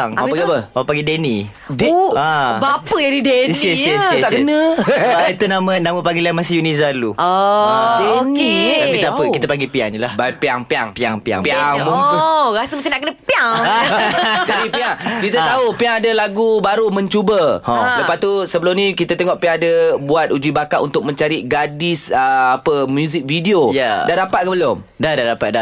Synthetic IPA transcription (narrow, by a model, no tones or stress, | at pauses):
ŋpaɡiapəapaɡideni | deabapəjadidensəisaʔkənə̃it̪unamə̃namə̃paɡilamasijunizaluoeokeakit̪aapəkit̪apaɡipia̰ŋɲəlahbajpiaŋpiaŋpiaŋpia̰ŋpiaũɾasəmat͡ʃanaʔkənəpiaŋ | d͡ʒadipiaŋkit̪at̪aupiaŋadəlaɡubaɾumə̃ɲt͡ʃubələpat̪ːusəbəlʊmnĩkit̪at̪eŋɔʔpiaŋadəbuat̪̚ud͡ʒibakaʔṵnt̪ʊk̚mə̃ɲt͡ʃaɾiɡadɪsəapəmjuzik̚fidiojadadapat̪̚kəbəlʊm | dadadapat̪̚da